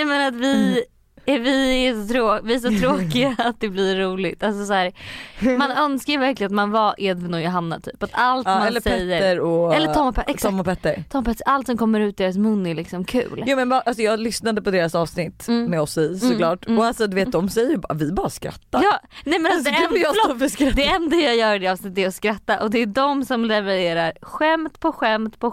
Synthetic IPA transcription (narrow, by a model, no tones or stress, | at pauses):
mɛnat̪vɪ | ɛvɪæʂɔt̪ʰɾoːvɪæʂ̬ɔt̪ʰɾoːkɪɡaːt̪̚d̪ɛbliːuːlɪɡt̪als̬ɔsæːɾmanœnskajvæɾklɪənat̪manvaʔeːd̪vnɔjʊɦanːa̰t̪ʰy̰ːpat̪ʰalt̪maɛllːəɾsɛɛjːəɾəɾɔɛlːət̪ʰɔmːɔpʰɛɛkst̪ʰɔmːɔpʰɛt̪ːəɾt̪ʰɔmːpɛt̪ːəʔalt̪sɔmkʰɔmːəɾʉ̟ːt̪̚d̪eːɾas̬mɵnːɛlɪksɔmkʰʉ̟̰ːljuːmɛnbɑʔalsɔjɑːɡlʏsnad̪əpʰɔd̪eːɾasɑːvsnɪt̪ːmɛɔsɪsɔlɑːʈɔalsɔd̪ɵveːt̪̚d̪ɔmsɛjːəjɪbvɪbɑːɾaskɾa̰t̪ːajɑːnɛmɛnad̪ɛɛfəsɾd̪ɛɛnd̪ajajœːɾdɛɑːvsnɪt̪ːɛɾɔskɾat̪ːaʔɔd̪ɛːdɔmsɔmɾɛvɛɾeːɾaɾɧɛmt̪pʰɔɧɛmt̪pʰɔ